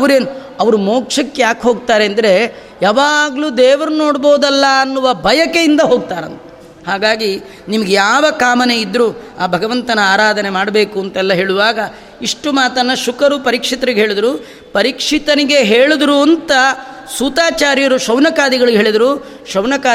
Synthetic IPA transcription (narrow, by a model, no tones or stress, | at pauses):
ɐʋɐɾeːnuɐʋɐɾumoːkʂɐkːejaːkɦo̞ːɡ̚t̪aːɾeɐnd̪ɐɾe̞ | jaːʋaːɡluːd̪ɛːʋɐɾuno̞ːɽbo̞ːd̪ɐlːɐːnːuʋɐbʱɐjɐkejind̪ɐɦoːɡ̚t̪aːɾɐnt̪ɐ̥ | haːɡaːɡi | nimɐɡejaːʋɐkaːmɐneid̪ːɾuːaːbʱɐɡɐʋɐnt̪ɐnɐaːɾaːd̪ʱɐne̞maːɽbe̞ːkuɐnt̪ɐɛlːɐɦe̞ːɭuʋaːɡɐ | iʂʈumaːt̪ɐnːɐʃukɐɾupɐɾikʂit̪ɐɾiɡeɦeːɭid̪ɾuː | pɐɾikʂit̪ɐniɡe̞ɦeːɭud̪ɾuɐnt̪ɐ | suːt̪aːt͡ʃaːɾjɐɾuʃɐwnɐkaːd̪iɡɐɭiɡeɦeːɭid̪ɐɾuː | ʃɐwnɐkaː